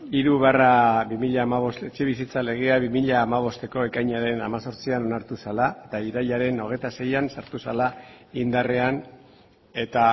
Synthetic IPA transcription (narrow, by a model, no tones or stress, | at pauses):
iɾuβearaβimiʎaːmaβ̞o̞st̪e̞t͡ʃe̞β̞isit͡sale̞ɣ̞e̞aβimiʎaːmaβ̞o̞st̪e̞ko̞e̞kajɲaɾe̞na̰maso̞ɾt͡siano̞naɾt̪usalaet̪aiɾaʎaɾe̞no̞ɣ̞e̞jt̪ase̞jansaɾt̪usalaind̪are̞an | e̞t̪a